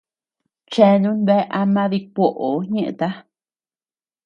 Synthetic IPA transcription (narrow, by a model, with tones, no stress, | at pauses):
t͡ʃe˦˧nũ˦nβe˦ʔa˧mã˦ði˧kʷo˧ʔo˨ɲẽ˦ʔḛ̃˧t̪a˦